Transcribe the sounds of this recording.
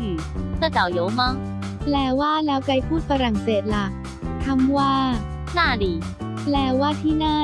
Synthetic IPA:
ɯ˨˩ | t̪a˧˩ta˨˩wjo˨˦maː˥˩ŋ | lɛː˧˩waː˥˩lɛː˦˥wka˧jpʰuː˥˩t̪̚fa˧ɾa˨˩ŋseː˨˩t̪̚la˨˩k̚ | t̪ʰa˧mwaː˥˩ | naː˥˩diː˨˩ | lɛː˧˩waː˥˩t̪ʰiː˥˩naː˥˩

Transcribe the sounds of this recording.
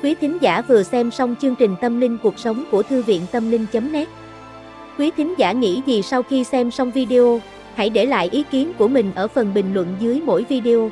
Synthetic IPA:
kwi˨˦t̪ʰï˨˦ŋ̟zaː˧˩vɨ˨˩əsɛ˧msa˧wŋ͡mt͡ɕɨ˧əŋt͡ɕï˨˩ŋ̟t̪ə˧mlï˧ŋ̟ku˨˩ək̚sə˨˦wŋ͡mku˧˩ət̪ʰɨ˧vḭ˧˨ənt̪ə˧mlï˧ŋ̟t͡ɕə˨˦mnɛ˦˥t̚ | kwi˨˦t̪ʰï˨˦ŋ̟zaː˧˩ŋḭ˧˥zi˨˩sa˧wxi˧sɛ˧msa˧wŋ͡mvi˧ɗi˧ʔo˧ | ha̰˧˥˩jɗe˧˩la̰ː˧˨jʔi˨˦ki˨˦nku˧˩əmï˨˩ŋ̟ʔəː˧˩fə˨˩nɓï˨˩ŋ̟lwə̰˧˨nzɨ˨˦əjmo̰˧˥jvi˧ɗi˧ʔo˧

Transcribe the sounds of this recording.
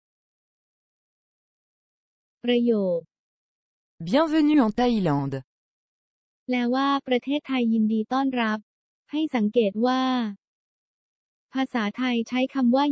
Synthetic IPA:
pɾa˧joː˨˩t̪̚ | bjɛ̃vənyɑ̃t̪ailɑ̃d̪ | lɛː˦˥waː˥˩pɾa˧t̪ʰeː˥˩t̪ʰːa˧jːi˧ndiː˧t̪ɔː˥˩nɾa˦˥p̚ | ha˥˩jsa˩˦ŋkeː˨˩t̪̚waː˥˩ | pʰaː˧saː˩˦t̪ʰa˧jt͡ɕʰa˦˥jkʰa˧mwaː˥˩

